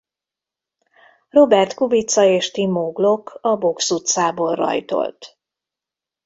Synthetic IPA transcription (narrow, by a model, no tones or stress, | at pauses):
ro̞bɛrt̪kubit̪sɒeːʃt̪imoːɡlo̞kʰɒbo̞ksut̪saːboːlrɒ̰jt̪o̞̰lt̪